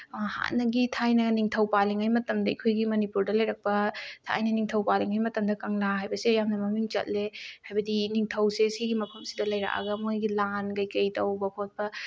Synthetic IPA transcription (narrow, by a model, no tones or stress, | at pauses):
ha̰nɐɡitʰajnɐniŋtʰɐwpaliŋajmɐtɐmdɐḭkʰojɡimɐnipuɾdɐlɐjɾɐk̚pɐtʰa̰jnɐniŋtʰɐwpaliŋajmɐtɐmdɐkɐŋlaɦajbɐsejamnɐmɐmiŋt͡ʃɐ̰t̚lehajbɐdiniŋtʰɐwsesiɡimɐpʰɐmsidɐlɐjɾa̰ʔa̰ɡɐmojɡilanɡɐjkɐjtɐwbɐpʰot̚pɐ